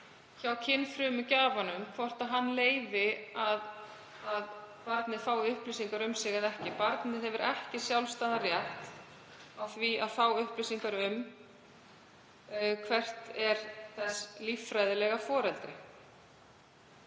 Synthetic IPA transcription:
çawcʰɪnːfɾʏːmʏcaːvanʏmkʰvɔr̥t̪aɦanːleːjvɪað | aðpaɾt̪nɪðfaːwʏhplɪsiŋkaɾʏmsɪɣaðɛhcɪpaɾt̪nɪðɛvʏɾʔɛhcɪsjawlst̪aðarjɛht̪ | awθviaðfawʏhplɪsiŋkaɾʏm | kʰvɛr̥t̪ɛɾ̥θɛslifɾajðɪlɛɣafɔːɾɛlt̪ɾɪ

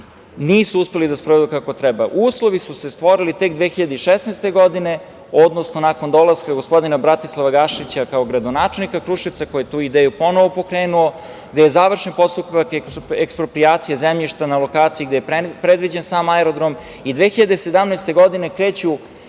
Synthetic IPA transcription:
niːsuuspe̞lid̪aspɾoʋed̪ukako̞t̪ɾɛba̰ʔuːslˠo̞ʋisuse̞st̪ʋo̞ɾilit̪e̞k̚d̪ʋexiʎad̪eiʃesnejst̪e̞ɡo̞d̪ine̞ | od̪nosnonako̞nd̪olaskaɡospo̞d̪inabɾat̪i̥slˠaʋaɡaʃit͡ɕakao̞ɡɾad̪o̞naːt͡ʃelˠnikakɾuʃit̪sako̞jjet̪uːid̪eːjupo̞noʋo̞po̞kɾeːnuo̞ | ɡd̪ejezaːʋr̩ʃenpo̞st̪upakekekspɾopɾijaːt̪sijezemʎiʃt̪analo̞kaːt̪sijiɡd̪ejepɾed̪ʋid͡ʑensaːmaeɾod̪ɾom | id̪ʋeːxiʎad̪ese̞d̪amnɛst̪e̞ɡo̞d̪ine̞kɾe̞ːt͡ɕu

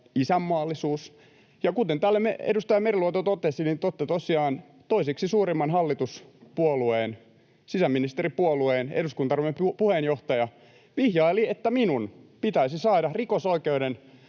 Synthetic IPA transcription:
isæmːɑːlːisuːs | jɑkut̪ent̪ælːemeḛdust̪ɑjɑmeriluot̪ot̪ot̪esinint̪ot̪ːet̪osiɑːn | t̪oisiksisuːɾimːɑnhɑlːit̪uspuolueːn | sisæmːinist̪eripuolueːnḛduskunt̪ɑrimːemppuhenjoht̪ɑjɑ | ʋihjɑiliet̪ːæminunpit̪æisisɑːdɑrikosoikeuden

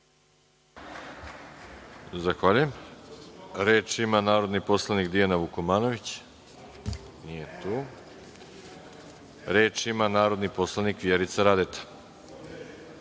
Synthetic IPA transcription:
zaxʋaʎujem | ɾeːt͡ʃimanaːɾo̞d̪nipo̞slˠanikd̪ianaʋukomaːno̞ʋit͡ɕ | nijet̪uː | ɾeːt͡ʃimanaːɾo̞d̪nipo̞slˠanikʋjeɾit̪saɾad̪et̪ḁ

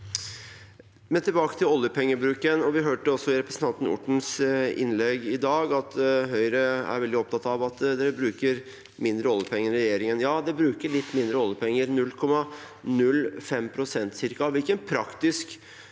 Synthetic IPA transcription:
mɛnt̪ʰɪlbɑːkə̥t̪ʰɪlɔljəpʰɛŋːəbɾʉːkənɔʋɪɦøːʈəɔsːɔɪɾɛpɾəsən̩t̪ʰɑnt̪n̩ʊ̰ʈːɳ̩sɪ̰nlɛɡɪd̪ɑːɡɑt̪ɦœʏɾəæ̰ɾʋɛld̪ɪɔp̚t̪ʰɑt̪ːɑʋɑt̪d̪ɛbɾʉːkəɾ | mɪnd̪ɾəɔlːjəpʰɛŋːənɾɛjeːɾɪŋənjɑːd̪ɛbɾʉːkəɭɪt̪ːmɪnd̪ɾəɔljəpʰɛŋːəɾnʉlːkʰɔmːɑ | nʉlːfɛmpʰɾʊsɛnt̪sɪɾkɑʋɪlkənpʰɾɑkt̪ɪsk

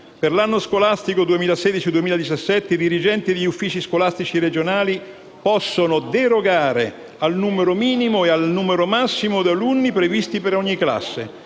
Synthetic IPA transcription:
perlanːoskolast̪ikod̪uemiːlaseːd̪it͡ʃid̪uemiːlad̪it͡ʃasːɛt̪ːeid̪iɾid͡ʒɛnt̪id̪eʎːufːiːt͡ʃiskolast̪it͡ʃiɾed͡ʒonaːli | pɔsːonod̪eɾoɡaːɾe | alnuːmeɾomiːnimoealnuːmeɾomasːimod̪alunːipɾevist̪ipeɾɔɲːikla̰sːḛ

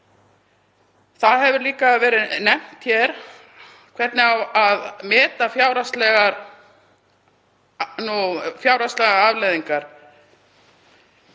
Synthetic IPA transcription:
θaðɦɛvʏɾliːkavɛːɾɪnɛm̥t̪çɛɾ̥ | kʰvɛt̪nɪawaðmɛːt̪afjaːwɾast̪lɛɣaɾ | nufjaːwɾast̪lɛɣaavlɛðiŋkaɾ̥

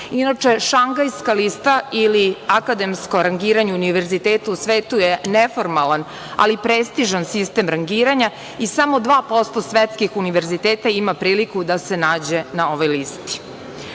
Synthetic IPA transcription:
inat͡ʂe̞ʃaŋɡajskalist̪ailiakad̪emskoɾaŋɡiːɾaɲeuniʋeɾzit̪eːt̪ausʋeːt̪ujenefo̞ɾmalˠan | a̰lipɾest̪iʒansist̪emɾaŋɡiːɾaɲa | isamo̞d̪ʋaːpo̞st̪osʋet̪skixuniʋeɾzit̪eːt̪aimapɾiːlikud̪ase̞naːd͡ʑe̞nao̞ʋo̞jlist̪i̥

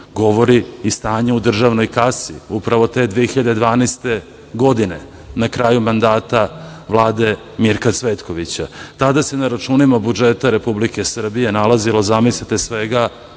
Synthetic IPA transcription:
ɡo̞ʋo̞ɾiist̪aːɲeud̪r̩ʒaʋno̞jkasḭupɾaʋo̞t̪e̞d̪ʋeexiʎad̪ed̪ʋaːnest̪e̞ | ɡo̞d̪ine̞ | nakɾaːjumand̪aːt̪aʋlˠaːd̪e̞ | miɾkat̪sʋet̪ko̞ʋit͡ɕat̪ad̪ase̞naɾat͡ʃuːnimabud͡ʒet̪aɾe̞publike̞sr̩bije̞nalazilo̞zamislit̪esʋeɡa

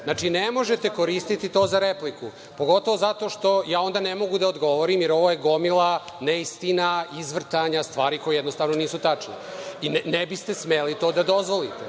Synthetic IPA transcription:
znaːt͡ʂinemo̞ʒet̪e̞ko̞ɾiːst̪it̪it̪o̞ːzaɾepliku | po̞ɡo̞t̪oʋozat̪o̞ːʃt̪o̞jaːo̞nd̪anemo̞ɡud̪aod̪ɡo̞ʋoɾimjeɾo̞ʋojeɡo̞milaneist̪inaizʋr̩t̪aɲast̪ʋaːɾiko̞jejɛd̪nost̪aʋnoniːsut̪at͡ʂneinnebist̪e̞smelit̪o̞ːd̪ad̪o̞zʋo̞lit̪e

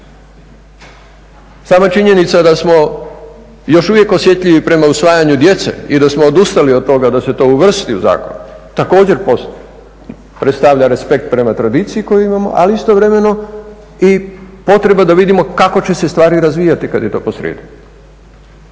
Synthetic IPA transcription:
saːmat͡ʃiɲe̞nit̪sad̪asmo̞ | jo̞ʃuʋje̞ko̞sje̞t̪ʎʲiʋipɾe̞mausʋaːjaɲud̪je̞t̪sḛid̪asmoːd̪ust̪aliod̪̚t̪ːo̞ɡad̪ase̞t̪o̞ːuʋr̩st̪iṵza̰ːko̞̰nut̪ako̞ːd͡ʑe̞ɾpo | pɾet̪st̪aʋʎaɾe̞spe̞k̚t̪̚pɾe̞mat̪ɾad̪iːt̪sijiko̞juimamo̞̰ʔa̰liist̪o̞ʋɾe̞me̞no̞ | ipo̞t̪ɾe̞bad̪aʋid̪imo̞kako̞t͡ɕe̞se̞st̪ʋaːɾiɾazʋiːjat̪ikad̪je̞t̪o̞̰ːpo̞sɾḛːd̪u

